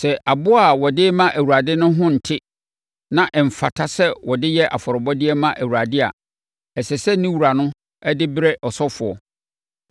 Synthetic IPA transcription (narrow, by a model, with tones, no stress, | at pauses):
sɛ˨ʔa˨bʊ˦a˨wɔ˨dɪ˦mã˦ʔæ˨wu˨ɾa˨dɪ˦nʊ̃˦ɦʊ̃˦n̩˨tʰɪ˦ | nã˨ʔɛ˨m̩˨fa˨tʰa˦sɛ˦wɔ˨dɪ˦jɛ˦ʔa̰˨fɔ˨ɾɔ˨bɔ˦dɪ˦ɛ˦mã˦ʔæ˨wu˨ɾa˨dɪ˦a̰˨ | ɛ˨sɛ˨sɛ˦nĩ˦wu˨ɾa˨nʊ̃˦ | ɛ˦dɪ˦bɾɛ˦ʔɔ˨sɔ˦fʊ˨ɔ˨